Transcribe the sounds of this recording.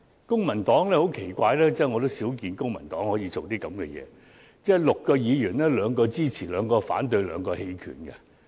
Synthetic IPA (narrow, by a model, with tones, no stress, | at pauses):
kʊ˥ŋmɐ˨˩nt̪ɔː˨˥ŋlɛː˥ho˨˥wkʰe˨˩jkʷaː˧jlɛː˥t͡sɛː˥˩ŋɔː˨˧t̪o˥wsiː˨˥wkiː˨˧nkʊ˥ŋmɐ˨˩nt̪ɔː˨˥ŋhɔː˨˥jiː˨˧t͡so˨wt̪iː˥kɐ˨˥mkɛ̰˧jɛ̰ː˨˧ | t͡sɛ˥˩lʊ˨kːɔː˧jiː˨˧jyː˨˩nlɛː˥lœː˨˧ŋkɔː˧t͡siː˥t͡sʰiː˨˩lœː˨˧ŋkɔː˧fa̰ː˨˥nt̪ɵ˧ɥlœː˨˧ŋkɔː˧he˧jkʰy̰ː˨˩nkɐ˧